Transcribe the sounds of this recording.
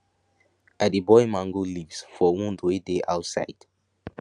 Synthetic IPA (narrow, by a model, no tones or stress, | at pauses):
adibɔjmãŋɡolivsfɔwɔ̃ndwedeʔa̰ʊtsa̰ɪd̥